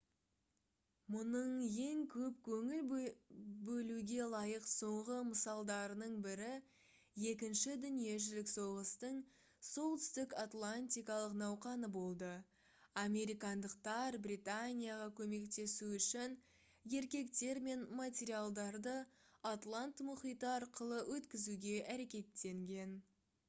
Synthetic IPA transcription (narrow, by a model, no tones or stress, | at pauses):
mʊnəɴje̞ŋkʲʰɵpkʲʰɵŋɪl | bɵluɡʲe̞lˠɑjəqso̞ɴʁəməsɑlˠd̪ɑɾənəɴbɪɾɪ | je̞kʲɪnʃɪd̪ʏnije̞ʒɪlɪkso̞ʁəst̪əɴ | so̞lˠt̪ʏ̥st̪ɪkat̪lˠanʲt̪ʲijkɑlˠəqnɑwqɑnəbo̞lˠd̪ə | amʲe̞ɾijkɑnd̪əqt̪ɑɾbɾit̪anʲijaʁɑkʲʰɵme̞kt̪e̞suʏʃɪn | je̞ɾkʲe̞kt̪e̞ɾme̞nmat̪ʲe̞ɾijalˠd̪ɑɾd̪əat̪lˠant̪mʊχijt̪əɑɾqəlˠəwʔɵt̪kʲɪzuɡʲe̞ʔæɾe̞kʲe̞t̪ːe̞ŋɡʲe̞n